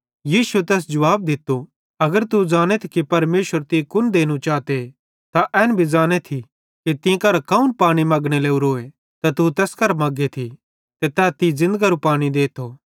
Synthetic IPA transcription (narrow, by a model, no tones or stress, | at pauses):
jiːsuet̪̬ɛːs̬d͡ʒɐʋaːb̚d̪ɪt̪ːo | ɐɡəɾt̪ud͡ʒaːñet̪ʰi̥kipɐɾmeːʃəɾt̪ikʊnd̪eːñũt͡ʃaːt̪e | t̪aʔɛːnbʱid͡ʒaːñet̪ʰi | kit̪ɪ̃kɐɾkɐunpaːɽ̃imɐɡɽ̃eleːuɾoːe | t̪at̪ut̪ɛːskɐɾmɐɡet̪ʰi | t̪et̪ɛːt̪izɪ̃nd̪əɡaɾupaːɽ̃id̪eːt̪ʰoː